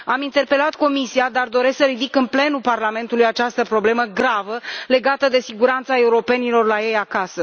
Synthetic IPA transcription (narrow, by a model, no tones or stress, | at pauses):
amint̪e̞rpe̞lat̪ko̞misiad̪ard̪o̞ɾe̞sksəɾid̪ikɨnple̞nuparlame̞nt̪ulujat͡ʃast̪əpɾo̞ble̞məɡɾavəle̞ɡat̪əd̪e̞siɡuɾant̪sae̞uɾo̞pe̞nilo̞rlaje̞jakasə